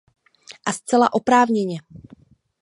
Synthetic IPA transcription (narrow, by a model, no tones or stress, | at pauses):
ʔast͡sɛlaʔo̞pɾaːvɲɛɲɛ